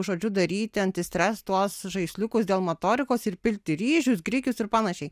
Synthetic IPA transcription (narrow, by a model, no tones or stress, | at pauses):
ʒoːd͡ʒʲʊd̪ɐɾʲiːt̪ʲɪɐnʲt̪ʲɪsʲt̪ʲɾʲæːst̪t̪uɔsʒɐɪsʲlʲʊkʊsd̪ʲeːlˠmɐt̪oːɾʲɪkoːsɪrpʲɪlʲt̪ʲɪɾʲiːʒʲʊsɡɾʲiːkʲʊsɪɾpɑːnɐʃʲɛɪ